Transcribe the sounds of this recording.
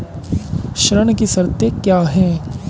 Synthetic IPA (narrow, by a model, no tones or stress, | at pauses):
ʃɾəɳ̃kisəɾt̪ekjaːɦɛː